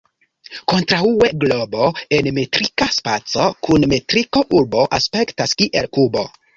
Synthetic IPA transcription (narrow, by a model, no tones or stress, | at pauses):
ko̞ntɾaue̞ɡlo̞bo̞enmetɾikaspat͡so̞kunmetɾiko̞ʔuɾbo̞ʔaspe̞ktaskiʔe̞lkubo̞